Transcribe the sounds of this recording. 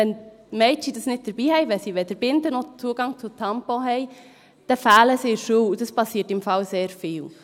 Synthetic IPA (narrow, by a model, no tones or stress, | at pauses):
ɛn | mɛɪt͡ʃidəsnɪt̚d̥əɾb̥iːhɛɪʋɛsiʋɛd̥əɾb̥ɪndənot͡suəɡ̥ɑŋt͡sʊtʰɑmpoɦɛɪ | d̥ɛfæːləseːɾʃuːud̥ɑspɑsiːtɪmfɑlseːɾfɪːl